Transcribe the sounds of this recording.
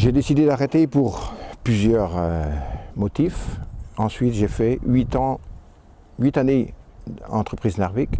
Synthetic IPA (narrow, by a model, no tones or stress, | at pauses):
ʒed̪esid̪ed̪aʁet̪epuʁplyzjœʁømɔt̪ifɑ̃sɥit̪ʒefɛit̪ɑ̃ | ɥit̪ane | ɑ̃t̪χəpχiznɛʁvik